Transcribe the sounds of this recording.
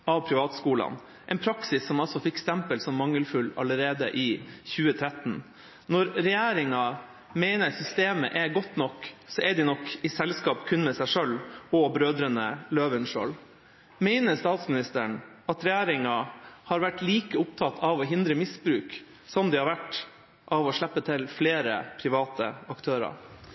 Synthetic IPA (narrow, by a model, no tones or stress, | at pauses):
ɑʋpʰɾɪʋɑːt̪skuːlɑ̰n | ʔɛnpʰɾɑksɪsːɔmɑlsɔfɪkːst̪ɛmpəlsɔmːɑŋːəlfʉlɑ̰ləɾeːd̪ə̰ʔɪːçʉːət̪ʰɾɛt̪n̩ | nɔɾɾɛjæːɾɪŋɑ | mæɪnəɾsʏst̪eːmə̰ʔɛɡɔt̪nɔkːsɔɛɖɪnɔkːɪsɛlskɑːpkʰʉnmɛsæɪʂœlɔbɾøːd̪ɾənəløːʋənʂo̰ːl | mæɪnəst̪ɑːt̪smɪnɪst̪əɳ | ɑt̪ɾɛjæːɾɪŋɑhɑːɾʋæʈːliːkəʊpt̪ʰɑt̪ʰːɑʋɔɦɪnd̪ɾəmɪsbɾʉːk | sɔmd̪ɪhɑɾʋæʈː | ʔɑʋɔʂɭɛpːət̪ʰɪlfleːɾə̰pʰɾɪʋɑːt̪əɑkt̪ʰøːɾɑ̰ɾ